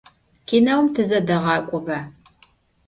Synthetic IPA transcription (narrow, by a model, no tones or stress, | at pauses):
kʰiːnɐwmtʰɨzɐdɐʁɑːkʷʼʊbɐ